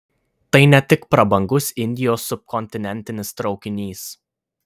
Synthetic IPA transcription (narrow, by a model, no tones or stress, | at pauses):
t̪ɐɪnʲɛt̪ʲɪkpɾɐbɐŋɡʊsɪnʲd̪ʲɪjoːsːʊp̚kɔnʲt̪ʲɪnʲɛnʲt̪ʲɪnʲɪst̪ɾɒʊkʲɪnʲiːs